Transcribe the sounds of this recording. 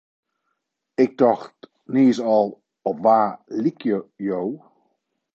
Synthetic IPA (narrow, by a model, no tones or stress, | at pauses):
ɪk̚dɑχt | niːsɑlˠ | ɔʋaːlikjəjow